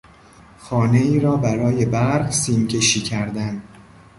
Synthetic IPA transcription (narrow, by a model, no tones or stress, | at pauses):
xɒːne̞iːɾɒːbæɾɒːje̞bæɾɾɢsiːmcʰe̞ʃiːcʰæɾd̪æn